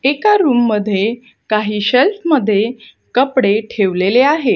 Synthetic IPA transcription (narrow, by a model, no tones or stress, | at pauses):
ekaɾuːmːəd̪ʱːje | kaɦiːɕəltməd̪ʱːje | kəpɽeʈʰeʋleleaɦe